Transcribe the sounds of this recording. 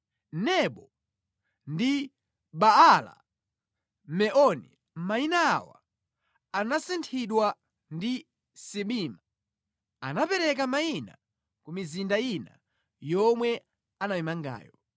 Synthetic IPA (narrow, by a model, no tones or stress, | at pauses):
nɛɓɔ | ndi | ɓaala̰ | mɛʔɔnḭ | mainaːwa̰ | anasintʰiɗwa | ndi | siɓiːma | a̰napɛɾɛkamaina̰ | kumizindaina | jɔmwɛ | anamimaŋɡa̰ːjɔ